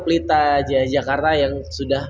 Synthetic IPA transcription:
plit̪ad͡ʒad͡ʒakart̪ajaŋsudah

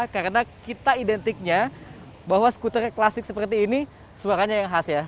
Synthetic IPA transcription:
kaɾənakit̪aidɛnt̪ɪk̚ɲa | baɦwasə̥kut̪ərɲaklasɪk̚səpərt̪iːni | suaɾaɲajaŋɦasja

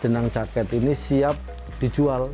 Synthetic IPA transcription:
d͡ʒ̥ənaŋd͡ʒakɛt̪inisiap̚ | d̪̥i̤d͡ʒual

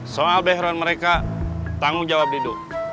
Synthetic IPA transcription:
soalbɛɦɾanməɾekat̪aŋud͡ʒawap̚didu

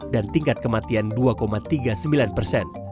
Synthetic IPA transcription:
dant̪iŋkat̪̚kəmat̪ianduakomat̪iɡasəmbilanpərsɛn

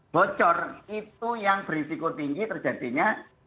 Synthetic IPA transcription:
b̥ɔt͡ʃɔrit̪ujaŋbɾisikot̪iŋɡit̪ərdd͡ʒ̥ʒ̥ä̤t̪iɲa

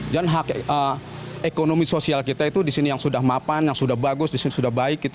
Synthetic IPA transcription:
d͡ʒanɦakə | ekonomisosialkit̪ait̪udisinijaŋsudahmapanjaŋsudahbaɡʊsdisinisudahbaɪkːit̪

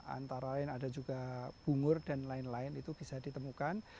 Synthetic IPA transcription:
a̰nt̪aɾalaɪnadad͡ʒuɡab̥ṳŋʊrdanlaɪnlaɪnit̪ub̥isadit̪əmukan

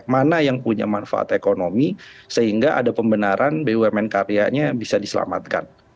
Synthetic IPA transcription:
manajaŋpuɲa̰manfa̰ʔa̰t̪ekonomisəɦiŋɡaʔa̰dapəmbənaɾʔanbewɛmɛnkaɾijaɲabisadisəla̰ma̰t̪̚ka̰n

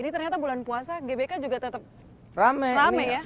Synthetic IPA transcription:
init̪ərɲat̪abulanpuasaɡebekad͡ʒuɡat̪ət̪əp̚ | ramɛramɛja

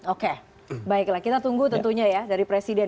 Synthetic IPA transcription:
oke | baɪklahkit̪at̪uŋɡut̪ənt̪uɲajadaɾipɾesidɛ

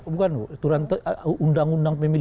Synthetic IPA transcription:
bukanut̪uɾant̪undaŋundaŋpemil

